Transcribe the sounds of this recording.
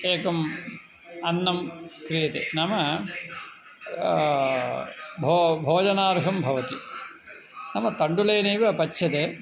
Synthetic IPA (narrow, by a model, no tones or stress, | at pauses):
eːkɐm | ɐnːɐmkɾijɐt̪ḛːnɐmɐ | bʱobʱoːd͡ʒɐnaːɾɦɐmbʱɐʋɐt̪i | nɐmɐt̪ɐɳɖuleːneːʋɐpɐt͡ʃːʃʰɐt̪eː